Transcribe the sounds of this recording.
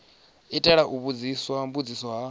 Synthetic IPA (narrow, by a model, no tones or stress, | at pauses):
itʼɛɺaʔuβud͡ziswambud͡zisɔɦa